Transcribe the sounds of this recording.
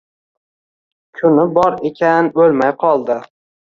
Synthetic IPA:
kʰʊnɪbɒɾekʲʰanbɵlmajqʰɒlˠd̪ɪ

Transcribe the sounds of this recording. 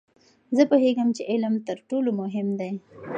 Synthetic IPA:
zəpoheɡəmt͡ʃeʔɪlmt̪əɾʈolomʊɦɪmd̪aj

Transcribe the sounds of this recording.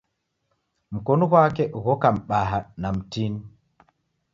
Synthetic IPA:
m̩kɔnɔɣwakɛɣɔkam̩ɓaɦanam̩tini

